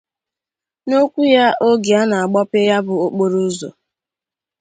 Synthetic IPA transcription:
no˦kʷu˦ja˦ʔo˦ɡi˨a˦na˨a˨ɡ͡bɔ˦pe˦ja˦bʊ˨o˦k͡po˦ɾu˦zo̰˨

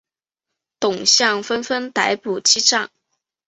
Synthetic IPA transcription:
t̪ʊ˨˩ŋɕjɑ˥˩ŋfə˥nfə˥nt̪a˧˥ɪpu˨˩t͡ɕi˥ʈ͡ʂɑ˥˩ŋ

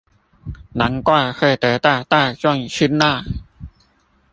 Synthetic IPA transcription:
na˨˥ŋkwaː˥˩xʰɤː˧˩t̪ɤː˨˩t̪aː˧˩t̪aː˥˩t͡ɕɔ˧˥˩ŋɕʰɯ˧˥˨nnaː˥˧˩

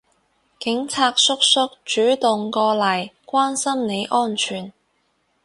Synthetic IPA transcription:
kɪ˨˥ŋt͡sʰaː˧k̚sʊ˥k̚sʊ˥k̚t͡ʃyː˨˥t̪ʊ˨ŋkɔː˧lɐ˨˩jkʷwaː˥nsɐ˥mne˨˧jʔɔː˥nt͡ʃʰyː˨˩n

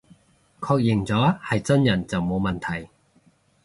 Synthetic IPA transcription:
kʰɔː˧k̚jɪ˨˩ŋt͡sɔː˨˥hɐ˨jt͡sɐ˥njɐ˨˩nt͡sɐ˨wmo˨˧wmɐ˨nt̪ʰɐ˨˩j

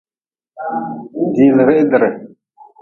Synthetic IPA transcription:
di˨lə˨ɾe˦ʔdə˨ɾe˨

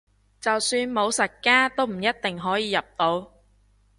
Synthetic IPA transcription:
t͡sɐ˨wsyː˧nmo˨˧wsɐ˨t̚kaː˥t̪o˥wm̩˨˩jɐ˥t̪̚t̪ɪ˨ŋɦɔː˨˥jiː˨˧jɐ˨p̚t̪o˨˧w

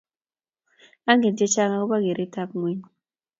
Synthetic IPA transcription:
a˦ŋe˨nd͡ʒɛ˦t͡ʃa˦ŋa˦ku˦ɓa˦ke˨ɾi˦ta˦p̚ŋwe˦ɲi˨

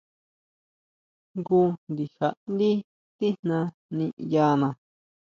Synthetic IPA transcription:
ŋɡu˧nd̪i˨ha˨ʔnd̪i˦ | t̪i˦nnã˧ | nĩ˧ʔja˧nã˨

